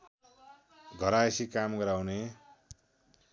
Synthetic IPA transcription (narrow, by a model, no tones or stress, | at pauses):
ɡʱʌɾaesikamɡʌɾawne